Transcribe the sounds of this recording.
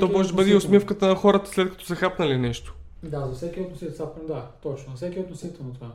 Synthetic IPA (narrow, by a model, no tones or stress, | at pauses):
t̪ɔmɔʒɛd̪ɐbəd̪ɛʊsmʲifkət̪ənɐxɔɾət̪ə̥slɛt̪̚kɐt̪ɔ̥sɛxapnɐlinɛʃt̪o̥ | d̪azɐfsɛkʲiot̪nosit̪sapd̪at̪ɔt͡ʃnoɐfsɛkʲiot̪nosit̪ɛlˠnɐt̪ova